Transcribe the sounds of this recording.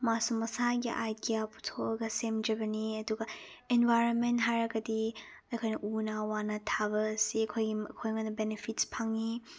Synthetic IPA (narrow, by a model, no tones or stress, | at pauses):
masumɐsaɡḭʔa̰jdijapʰu̥tʰoʔɐɡɐsemd͡ʒɐbɐniɐduɡɐ | enbajɾonmentɦajɾɐɡɐdi | ɐjkʰojnɐʔunawanɐtʰaβɐːsiɐkʰojɡikʰojŋanɐbenepʰitspʰaŋi